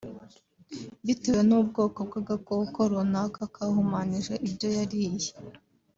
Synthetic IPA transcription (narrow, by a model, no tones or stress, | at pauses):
βitewe̞nubɡo̞ːkob̚ɡaɡakowukoɾonakakahumaniʒeʔibjo̞jaɾiːje